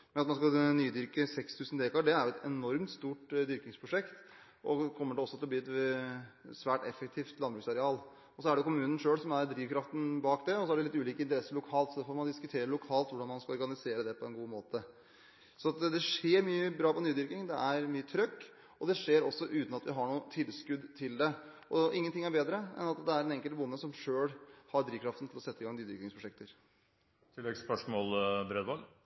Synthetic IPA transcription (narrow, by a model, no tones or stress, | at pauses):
mɛnɑt̪mɑns̬kɑlnyːd̪ʏɾkəsɛkst̪ʰʉːsn̩d̪eːkɑɖɛæɾjʊɛt̪ɛnɔɾmt̪st̪uːʈd̪ʏɾkɪŋspʰɾʊʂɛkt̪ | ʔɔkʰɔmːəɖɛɔsːɔt̪ʰɪlɔbliːɛt̪ | sʋæːʈɛfːɛk̚t̪ʰiːft̪lɑnbɾʉksɑɾɛɑːl | ɔsɔæɖɛjʊkʰʊmʉːnən̩ʂøːɽsɔmæɾd̪ɾiːʋkʰɾɑft̪n̩bɑːkd̪ɛɔsɔæɖɛlɪt̪ːʉːliːkəɪnt̪əɾɛsːəɾɭʊkʰɑːlt̪sɔd̪oːfoːɾmɑnd̪ɪskʉt̪ʰeːɾəlʊkʰɑːlt̪ʋʊɖɑnmɑnskɑlɔɾɡɑnɪseːɾəd̪ɛpʰɔɛnɡuːmoːt̪ə | sɔɑt̪d̪ɛʂeːɾmyːəbɾɑːpɔnyːd̪ʏɾkɪŋd̪ɛʔæɾmyːət̪ʰɾœkː | ɔd̪ɛʂeːɾɔsːɔʔʉːt̪n̩ɑt̪ʋɪɦɑɳuːət̪ʰɪlskʉd̪t̪ʰɪld̪ɛʔɔʔɪŋːənt̪ɪŋːæɾbeːd̪ɾəɛ̰nɑt̪d̪ɛæɾɛnɛŋkəlt̪bʊnːəsɔmʂøːɽhɑɾd̪ɾiːʋkʰɾɑft̪n̩t̪ɪlɔsɛt̪ːəɪŋɡɑŋnyːd̪ʏɾkɪŋspʰɾʊʂɛkt̪əɾ | t̪ʰɪlːɛɡspœʂmɔlbɾed̪ʋɔl